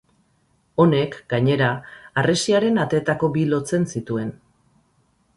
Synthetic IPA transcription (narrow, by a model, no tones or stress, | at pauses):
o̞ne̞kɡaɲe̞ɾaːre̞siaɾe̞nat̪e̞ːt̪ako̞bilo̞t͡se̞nsit̪ue̞n